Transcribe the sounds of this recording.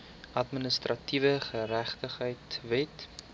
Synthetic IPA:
ʔɐtmənəstrɐtivəχəɾæχtəχɦəjtvɛt

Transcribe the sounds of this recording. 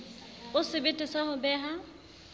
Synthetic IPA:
ʊsɪbɪtʼɪsahʊbɛːɦa

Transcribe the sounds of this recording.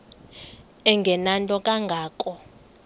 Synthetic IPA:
ɛŋɡʱɛnantʼɔkʼaŋɡʱaːkʼɔ

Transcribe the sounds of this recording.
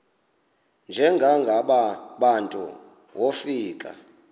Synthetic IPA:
nd͡ʒʱɛŋɡʱaŋɡʱaɓaɓantʼṵ | wʔofiːkʼa̰

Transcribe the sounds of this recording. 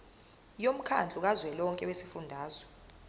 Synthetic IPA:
jom̩kʰa̰nd͡ɮʱuk̬azwɛlɔŋkʼɛwesifundʱaːzwɛ

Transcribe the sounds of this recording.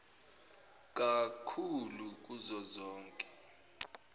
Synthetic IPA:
k̬ʼakʰuluk̬uzɔzɔːŋkʼɛ̥

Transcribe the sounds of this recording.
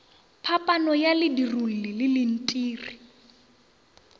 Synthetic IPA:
pʰapʼanɔjalɪdirul̩lɪlɪlɪn̩tʼiːri

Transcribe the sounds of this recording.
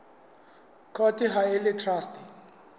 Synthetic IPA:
kʰɔtʼiɦaɪlɪtʰrastʰʼi̥

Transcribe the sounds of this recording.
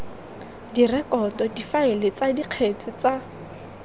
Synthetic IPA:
dirɛkɔdɔdifaɪlɪt͡sadiq͡χʰet͡sʼɪt͡sa

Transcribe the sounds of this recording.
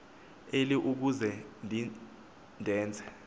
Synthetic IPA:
eliʔuk̬uzɛndʱi | ndʱɛːnt͡sʰʼɛ̥

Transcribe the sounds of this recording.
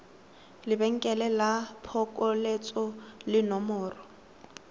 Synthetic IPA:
lɪbɛŋ̩kʼɛlɛlapʰɔkʼɔlet͡sʼɔlɪnɔmɔːrɔ

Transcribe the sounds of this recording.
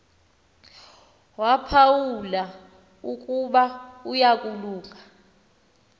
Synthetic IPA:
wapʰawula | ukʼuɓaujakʼuluːŋʱa

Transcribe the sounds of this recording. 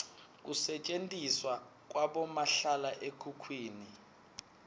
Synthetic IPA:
k̬usɛt͡ʃʼentʼiswa | k̬ʼwaɓɔmaɬalaʔekʰukʰwiːni

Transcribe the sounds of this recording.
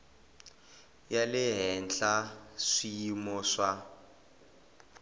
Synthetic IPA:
jalɪɦɛnɬaʂijimɔʂa

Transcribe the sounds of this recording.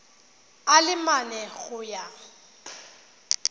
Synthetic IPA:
alɪmanɛɣʊja

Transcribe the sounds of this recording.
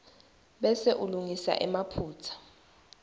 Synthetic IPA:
ɓɛseʔuluŋisa̰ʔɛmapʰuːt͡sʰḁ

